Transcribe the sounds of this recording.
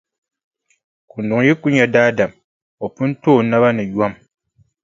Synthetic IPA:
ku˨n˨dʊ˨ŋji˦ku˦ɲɛ˨daː˦da˨m | ɔ˨pɨ˦n˦toː˦˨˦na˦βa˦nɨ˨ju˦a˦m

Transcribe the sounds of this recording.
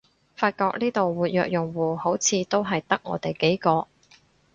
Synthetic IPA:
faː˧t̚kɔː˧k̚niː˥t̪o˨wwuː˨˩t̚jœː˨k̚jʊ˨˩ŋwuː˨ho˨˥wt͡sʰiː˨˧t̪o˥wɦɐ˨jt̪ɐ˥k̚ŋɔ̰ː˨˧t̪e˨jke˨˥jkɔː˧

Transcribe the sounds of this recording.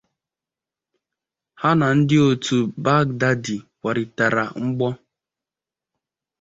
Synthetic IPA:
ha˦na˨n̩˦dɪ˦o˨tu˨ba˦ɡ̚da˦di˨kʷa˨ɾɪ˨ta˨ɾa̰˨ŋ͡m̩˦ɡ͡bɔ˦

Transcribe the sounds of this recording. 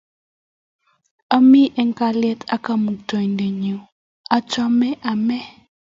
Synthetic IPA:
a˦mi˦ʔɛ˦ŋka˦lɛ˦tʰa̰˦ka˦mu˨k̚tɔ˨i˨nde˨ɲu˨ | a˦t͡ʃɔ˦mɛ˦ʔa˨mɛ˦

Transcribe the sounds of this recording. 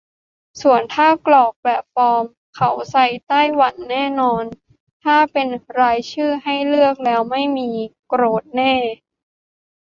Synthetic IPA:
su˨˩ənt̪ʰaː˥˩klɔː˨˩k̚pɛ˨˩t̚fɔː˧m | kʰa˩˦wsa˧jt̪aː˥˩jwa˨˩˦nːɛː˥˩nɔː˧n | t̪ʰaː˥˩pe˧nɾaː˧jt͡ɕʰɯː˥˩ɦa˥˩jlɯ˥˩ək̚lɛː˦˥wma˥˩jmiː˧kɾoː˦˥t̪̚nɛː˥˩

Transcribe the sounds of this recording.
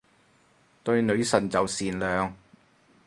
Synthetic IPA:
t̪ɵ˧ɥnɵ˨˧ɥsɐ˨˩nt͡sɐ˨wsiː˨nlœː˨ŋ

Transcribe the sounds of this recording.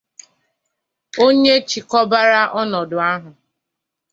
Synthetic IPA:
o˦ɲe˦t͡ʃi˨kɔ˦ba˦ɾa˦ʔɔ˦nɔ˨dʊ˨a˦ɦʊ˨

